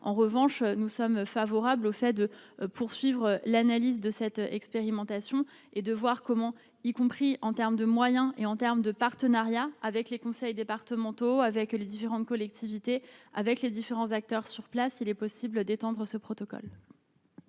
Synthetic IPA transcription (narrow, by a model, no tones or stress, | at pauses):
ɑ̰̃ʁəvɑ̃ʃnusɔmfavɔʁablofɛd̪əpʰuʁsɥivʁəlanalizd̪əsɛt̪ɛ̰kspeʁimɑ̃t̪asjɔ̃ | ed̪əvwaʁkɔmɑ̃ | ikɔ̃pχiɑ̃t̪ɛʁmd̪əmwajɛ̃ʔeɑ̃t̪ɛʁmd̪əpaʁt̪ənaʁjaːvɛklekɔ̃sɛjd̪epaʁt̪əmɑ̃t̪oavɛkled̪ifeʁɑ̃t̪̚kɔlɛk̚t̪ʰivit̪ea̰vɛkled̪ifeʁɑ̃zak̚t̪œʁsyʁplasilɛpɔsibld̪et̪ɑ̃d̪ʁəsəpχɔt̪ɔkɔ̰l